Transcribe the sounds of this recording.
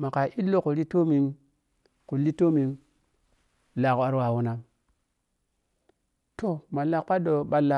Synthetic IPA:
ma˨ka˨ʔi˦lo˦ku˨ɾi˦to˦mi˨ŋ | ku˨li˦to˦mi˨ŋ | la˨ka˦ɾwa˨wu˦na˦m | to˨ma˨la˨kpa˦do˨ɓa˨la˨

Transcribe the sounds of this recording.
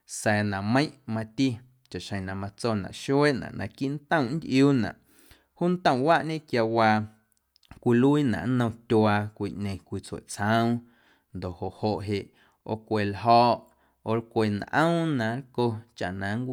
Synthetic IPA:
sɛː˨nã˨mə̃˦j̃ʔmã˧t̪i˦ | t͡ʃa˨ʔʃə̃˨nã˨mã˧t͡so˧nã̰˨ʔʃu˦e˦ʔnã̰˨ʔnã̰˨ki˦ʔn˦t̪ə̃˦˨ʔn˦d̪ʲʔjuː˦nã̰˨ʔ | huː˦n˦t̪ə̃˦˧w̃wa˦ʔɲẽ˦˨kja˧wa˧ | kʷi˧lu˦i˦nã̰˨ʔnə̃˧t̪ʲo˧a˧kʷi˧ʔɲẽ˨kʷi˧t͡sḛ˨t͡sə̃˦w̃ | nd̪o˨ʔho˨ʔho˧˨ʔɦe˧ʔ | o̰˧kʷe˨lɦɔ˧ʔ | o˧lkʷe˧nʔə̰̃˦wnã˨lko˧t͡ʃa̰˨ʔnã˨ŋ˦kʷi˦˧

